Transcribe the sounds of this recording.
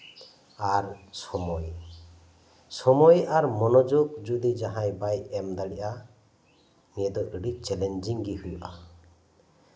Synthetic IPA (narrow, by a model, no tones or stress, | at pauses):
aɾsɔmɔj | sɔmɔjaɾmɔnɔd͡ʒuɡd͡ʒud̪id͡ʒaɦãjbajɛmd̪aɽiʔa | nɛɛd̪ɔʔiɽic̚t͡ʃɛlɛnd͡ʒiŋɡihujuʔa